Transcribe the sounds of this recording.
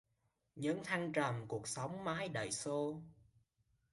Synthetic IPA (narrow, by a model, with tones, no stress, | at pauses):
ɲɨ˨˦˥ŋt̪ʰa˧jŋt͡ɕə˨˩mku˨˩ək̚sa˨˦wŋ͡mmaː˨˦jɗə̰˧˨˩jso˧